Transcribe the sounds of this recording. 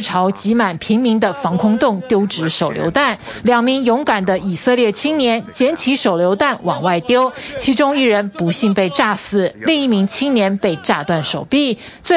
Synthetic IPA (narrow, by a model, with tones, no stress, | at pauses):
ʈ͡ʂʰɑ˧˥ʊt͡ɕi˧˥ma˨˩npʰi˧˥ŋmi˧˥ŋd̪ə˧fɑ˧˥ŋkʰʊ˥ŋt̪ʊ˥˩ŋt̪jo˥ʊʈ͡ʂɻ̩˧˥ʂo˨˩ʊljo̰˧˥ʊt̪a˥˩n | ljɑ˨˩ŋmi˧˥ŋjʊ˧˥ŋka˨˩nd̪ə˦i˨˩sɤ˥˧ljɛ˥˩t͡ɕʰi˥ŋnjɛ˧˥nt͡ɕjɛ˧˥nt͡ɕʰi˧˥ʂo˨˩ʊljo˧˥ʊt̪a˥˩nwɑ˨˩ŋwa˥˩ɪt̪jo˥ʊt͡ɕʰi˧˥ʈ͡ʂʊ˥ŋi˥˩ɻə˧˥npu˧˥ɕi˥˧npe˥˧ɪʈ͡ʂa˥˩sɹ̩˨˩li˥˧ŋi˥˩mi˧˥ŋt͡ɕʰi˥ŋnjɛ˧˥npe˥˧ɪʈ͡ʂa˥˧t̪wa˥˩nʂo˨˩ʊpi˥˩ | t͡swe˥˩